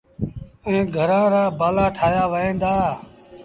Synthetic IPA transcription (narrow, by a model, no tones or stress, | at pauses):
ẽːɡʱəɾãːɾaːbaːlaːʈʰaːjaːʋəẽːnd̪aː